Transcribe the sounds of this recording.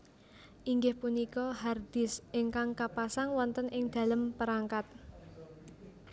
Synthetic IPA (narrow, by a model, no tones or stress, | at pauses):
ʔiŋɡɪhpunikɔɦard̪̥ɪsʔeŋkaŋkapasaŋwɔnt̪ənʔɪŋd̪̥ä̤ləmpəɾaŋkat̪̚